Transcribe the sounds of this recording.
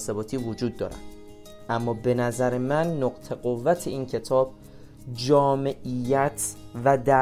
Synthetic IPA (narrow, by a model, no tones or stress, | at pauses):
sebɒːt̪ʰiːvod͡ʒuːd̪ːɒ̰ːɾæ̰ | ʔæmːɒːbe̞næzæɾemænːoqt̪ʰe̞ɢo̞vːæt̪ʰe̞iːncʰe̞t̪ʰɒːb̚ | d͡ʒɒːme̞ʔijːæt̪ʰvæd̪æ